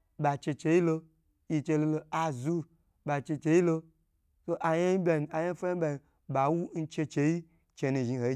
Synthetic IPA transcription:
ba˨t͡ʃe˧t͡ʃe˧ji˦lo˧ | ji˧t͡ʃe˧lo˧lo˧a˧zu˦ | ba˨t͡ʃe˧t͡ʃe˧ji˦lo˧ | so˦ʔa˧ja˦ji˦bʲa˧n˨a˨ja˦fa˦bʲa˧˨ni˨ | ba˨wu˦n̩˦t͡ʃe˧t͡ʃe˧ji˦ | t͡ʃe˧nũ˧ʒi˧ho˨˦

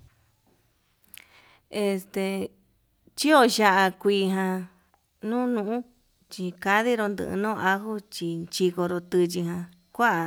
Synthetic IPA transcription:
e˧st̪e˧ | t͡ʃi˦o˧ʃa˧ʔa˧kʷiː˧ɦã˧ | nũː˦nũ˧ʔũ˦ | t͡ʃi˧ka˧ði˦ɾo˧nd̪ɨ̰̃˧ʔnõː˦˧ʔa˧ɦu˦t͡ʃi˧t͡ʃi˧ko˧ɾo˧t̪ɨ˧t͡ʃi˧ɦã˧ | kʷa˦ʔa˨

